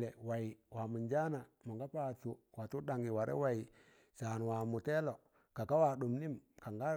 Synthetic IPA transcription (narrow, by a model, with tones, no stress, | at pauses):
le˨wa˨i˨wa˨mu˨nd͡ʒa˦na˨mu˨ɡa˦pa˨t͡ʃu˨wa˨tu˦ɗa˨ŋɡi˨wa˨ɾḛ˦wa˨i˨ | sa˨n˨wa˨mu˨te˦lo˨ | ka˨ka˦wa˨ɗu˨mni˦mka˨ŋɡa˦